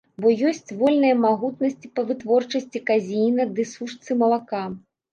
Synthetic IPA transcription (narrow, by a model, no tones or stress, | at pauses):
bɔjɔsʲt͡sʲvɔlʲnɨjɐmaɣut̪nɐsʲt͡sʲi̥pɐvɨt̪vɔrt͡ʂɐsʲt͡sʲikazʲijnɐd̪ɨsuʂt̪sɨmɐlˠaka